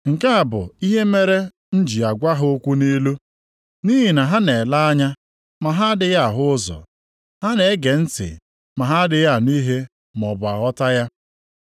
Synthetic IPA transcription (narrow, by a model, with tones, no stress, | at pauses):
ŋ̩˨ka˦a˨bʊ̰˨i˦ɦe˦me˦ɾe˦ | n̩˦d͡ʒi˨a˨ɡʷa˦ɦʊ˦o˦kʷu˦ni˦lu˦ | ni˦ɦi˨na˨ɦa˦ne˨la˦a˦ɲa˦ | ma˨ɦa˦dɪ˨ja˦˨ɦʊ˦ʊ˦zɔ̰˨ | ha˦ne˨˦ɡe˨n̩˦tɪ̰˨ | ma˨ɦa˦dɪ˨ja˦˨ni˦ɦe˦ | m˨ɔ˨bʊ˨a˨ɣɔ˦ta˦ja˦